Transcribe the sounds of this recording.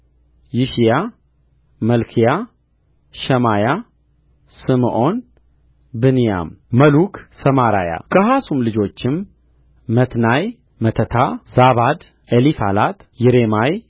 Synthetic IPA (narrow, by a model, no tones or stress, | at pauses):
jɪʃija | məlkʰija | ʃəmaja | sɨmʔo̞n | bɨnija̰mməlukʰsɐmaɾa̰ja̰kʰəɦasumlɨd͡ʒo̞t͡ʃːɪmː | ət̪naj | mət̪ʰət̪ʰazaβad̪ | ʔelifalat̪jɪɾemaj